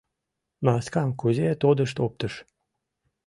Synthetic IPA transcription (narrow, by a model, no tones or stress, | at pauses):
mɑskɑmkuzʲet̪od̪ə̆ʃ̬t̪op̚t̪əʃ